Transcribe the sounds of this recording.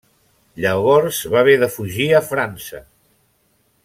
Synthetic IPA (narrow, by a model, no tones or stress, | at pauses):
ʎəβɔɾzβaβeðəfuʒiəfɾansə